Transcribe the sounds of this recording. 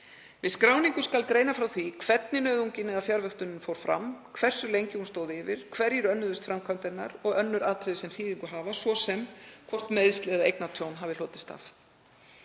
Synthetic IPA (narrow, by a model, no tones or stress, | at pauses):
vɪðskɾaːwniŋkʏskalkɾeːjnafɾawθikʰvɛt̪̚nɪnœːðuɲcɪnːɪðafjaɾvœht̪ʏnːʏmfoːwɾ̥fɾa̰mkʰvɛr̥sʏlejɲcɪhunst̪oːwðɪvɪɾ̥kʰvɛɾjɛɾʏœnːʏðʏst̪fɾamkʰamt̪ɛna̰ɾɔɣœnːʏɾaːt̪ʰɾɛðɪsɛmθiːðiŋkʏɦaːvasvɔsɛmkʰvɔr̥t̪meːjðst̪lɛɣðaejknat̪ʰjownɦaːvɪl̥ɔːt̪ɪ̥st̪a̰f